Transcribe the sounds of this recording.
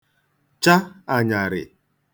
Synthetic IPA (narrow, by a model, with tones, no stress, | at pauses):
t͡ʃa˦a˨ɲa˨ɾɪ̰˨